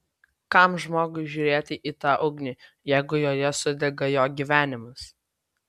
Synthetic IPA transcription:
kɑˑmʒmoːɡʊɪʒʲuːɾʲeːt̪ʲɪʔiːt̪ɑːʔʊɡnʲiː | jɛɪɡʊjoːjɛsʊd̪ʲɛɡɐjoːɡʲiːʋʲæːnʲɪmɐs

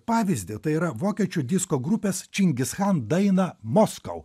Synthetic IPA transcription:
pɑːʋʲɪzʲd̪ʲɪt̪ɐɪiːɾɐʋoːkʲiɛt͡ʃʲud̪ʲɪskoːɡɾʊpʲeːst͡ʃʲɪŋʲɡʲɪsxɑnd̪ɐɪnɐmɔskɐ̰ʊ

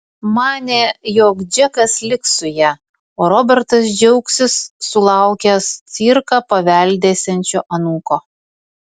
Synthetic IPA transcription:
mɑːnʲeːjoːkd͡ʒʲɛkɐslʲɪksʊjæ | oːɾɔbʲɛɾt̪ɐsd͡ʒʲɛʊksʲɪsːʊlˠɑˑʊkʲɛst̪sʲiːɾkɑpɐʋʲɛˑlʲd̪ʲeːsʲɛnʲt͡ʃʲoːʔɐnuːkoː

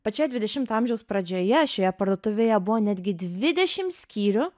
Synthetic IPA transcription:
pɐt͡ʃʲoːjɛd̪ʲʋʲɪd̪ʲɛʃʲɪmt̪ɑˑmʲʒʲɛʊspɾɐd͡ʒʲoːjɛʃʲoːjɛpɐɾd̪oːt̪ʊʋʲejɛbʊʋoːnʲɛd̪ʲɡʲɪd̪ʲʋʲɪd̪ʲɛʃʲɪmsʲkʲiːɾʲʊ

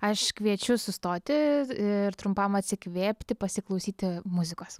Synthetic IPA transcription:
ɐʃkʋʲiɛt͡ʃʲʊsʊst̪oːt̪ʲɪɪɾt̪ɾʊmpɐmɐt̪ʲsʲɪkʋʲeːpʲt̪ʲɪpɐsʲɪklˠɐʊsʲiːt̪ʲɪmʊzʲɪkoːs

